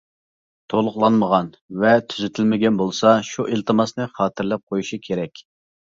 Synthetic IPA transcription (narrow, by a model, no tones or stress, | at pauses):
t̪ʰolˠʊqlˠɑnməʁɑn | vɛt̪ʰyzɪt̪ʰɪlmɪɡʲɛnbolˠsɑʃuʔelt̪ʰɨmɑsnɨχɑːt̪ɨɾlɛp̚qʰojuʃikʲʰeɾɛkʲ